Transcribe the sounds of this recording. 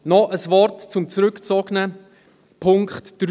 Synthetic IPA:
nɔʔəsvɔrtt͡sʊmt͡sɾʏkt͡sɔɡnə | pʰʊŋkχtd̥ɾ

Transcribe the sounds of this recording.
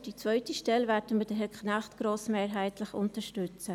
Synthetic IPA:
d̥it͡svœʏtiʃtɛlvɛːɾdəmədɛɦɛkχnaχtɡ̥ɾoːsmeːɾɦaɪtləχʊntəʃtʏt͡sə

